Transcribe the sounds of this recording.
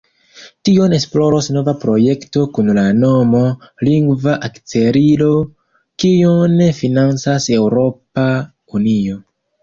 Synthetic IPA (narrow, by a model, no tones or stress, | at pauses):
tione̞splo̞ɾosno̞vapɾo̞je̞kto̞kunlano̞mo̞liŋɡvaʔakt͡se̞ɾilo̞ | kionfinant͡sase̞wɾo̞pa | unio̞